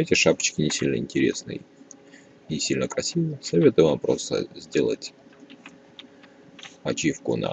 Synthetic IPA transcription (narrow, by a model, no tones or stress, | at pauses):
ɛtʲɪʂapə̥t͡ɕkʲɪnʲɪsʲilʲnəɪnʲtʲɪɾʲe̞̰snɨ̰j | ɪsʲilʲnəkɾɐsʲivəsɐvʲet̪ʊjɪvampɾost̪ə̰zʲdʲe̞lˠə̰tʲ | pɐt͡ɕifkʊ̰nɐ̰